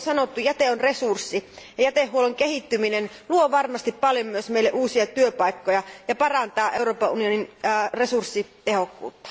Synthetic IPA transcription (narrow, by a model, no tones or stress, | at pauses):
sɑnot̪ːujæt̪eonresursːijɑjæt̪ehːuoloŋkehit̪ːyminen | luoʋɑrmɑst̪ippɑljommyøsmeileʔuːsiɑt̪yøpɑikːojɑjɑpɑrɑnt̪ɑːʔeuroːpɑʔunioninːresursːit̪ehokːṵːt̪ːɑ̥